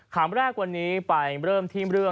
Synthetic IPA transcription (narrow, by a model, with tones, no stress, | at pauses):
kʰaː˩˦mɾɛː˥˩k̚wa˧nːiː˦˥pa˧jɾɤː˥˩mt̪ʰiː˥˩mɾɯ˥˩ə